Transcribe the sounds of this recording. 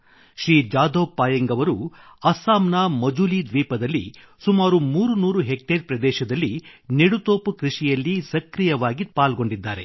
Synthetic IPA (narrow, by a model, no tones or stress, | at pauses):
ʃɾiːd͡ʒaːd̪oːpːaːjɐŋɡɐʋɐɾuɐsaːmnamɐd͡ʒulid̪ʋiːpɐd̪ɐlːḭ | sumaːɾumuːɾunuːɾuɦek̚ʈeɾpɾɐd̪ɛːʃɐd̪ɐlːineɽut̪oːpukɾiʂijɐlːisɐkɾijɐʋaːɡipaːlɡo̞ɳɖid̪ːaːɾe̞